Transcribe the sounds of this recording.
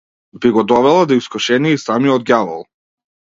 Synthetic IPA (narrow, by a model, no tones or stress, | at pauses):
biɡɔd̪ɔvɛlˠad̪iskɔʃɛniisamiɔd̪̚ɡʲjavɔ̰lˠ